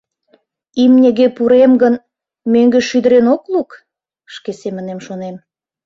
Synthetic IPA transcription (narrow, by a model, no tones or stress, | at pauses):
imnʲeɣepuɾemɡən | møŋɡeʃyd̪əɾenokluk | ʃkesemə̆nemʃonem